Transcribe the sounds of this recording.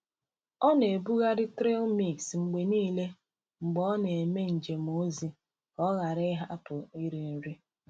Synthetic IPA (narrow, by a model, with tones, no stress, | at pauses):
ɔ˦ne˨bu˦ɣa˦ɾɪ˦tɾe˦lmi˨ksŋ͡m̩˨ɡ͡be˨niː˦le˦ | ŋ͡m̩˨ɡ͡bɔ˦ɔ˦ne˨e˨me˦n̩˨d͡ʒe˨mo˦zi˨ | ɔ˦ɣa˨ɾɪ˦ɦa˦pʊ˨i˦ɾi˨n̩˦ɾi˦